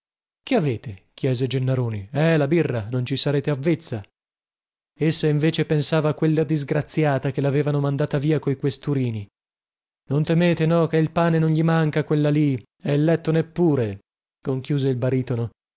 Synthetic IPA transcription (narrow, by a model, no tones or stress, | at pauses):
keaveːt̪ekjɛːzed͡ʒenːaɾoːniɛlabirːanont͡ʃisaɾeːt̪eavːet̪sːa | esːaiɱveːt͡ʃepensaːvaːkwelːad̪izɡɾat̪sːjaːt̪akelaveːvanomand̪aːt̪aviːakoikwest̪uɾiːni | nont̪emeːt̪enɔkeilpaːnenonʎimaŋkakwelːali | ɛilːɛt̪ːonepːuːɾe | koŋkjuːzeilbaɾiːt̪ono